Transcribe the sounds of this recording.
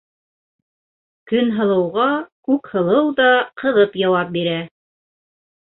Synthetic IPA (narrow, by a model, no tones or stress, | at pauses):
kɵnɦɤ̆lˠɤ̆wʁɑkʉkhɤ̆lˠɤwðɑqɤ̆ðɤpjɑwɑp̚biɾæ